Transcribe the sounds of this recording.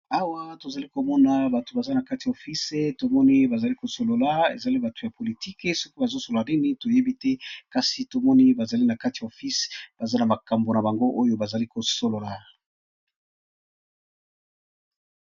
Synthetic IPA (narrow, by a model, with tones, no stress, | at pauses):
a˦wa˦to˨za˨li˦ko˨mɔ˦na˨ba˨to˨ba˨za˦na˨ka˦ti˨jo˨fi˦se˦to˨mɔ˦ni˦ba˨za˨li˦ko˨so˨lo˨la˨ḛ˨za˨li˦ba˨to˨ja˨po˨li˨ti˦ke˦so˦ki˦ba˨zo˦so˨lla˨ni˦ni˦to˨je˦bi˦tɛ˦ka˦si˨to˨mɔ˦ni˦ba˨za˨li˦na˨ka˦ti˨ja˨o˨fi˦sb̥a˨za˦na˨ma˨ka˨mbo˨na˨ba˨ŋɡo˦ʔo˦jo˦ba˨za˨li˦ko˨so˨lo˨la˨